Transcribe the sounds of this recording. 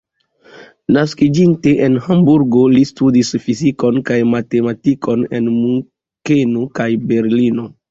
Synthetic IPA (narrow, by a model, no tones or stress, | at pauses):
naskid͡ʒinte̞ʔenhambuɾɡolistudisfiziko̞nkajmate̞matikʰo̞ne̞̰nmuŋ | kenokajbe̞ɾlino̞